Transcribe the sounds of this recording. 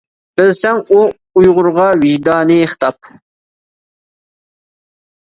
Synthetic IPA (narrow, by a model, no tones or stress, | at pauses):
b̥ɪlsɛŋu | ujʁʊɾʁɑwɪʒd̪ɑːnɨːχt̪ʰɑp̚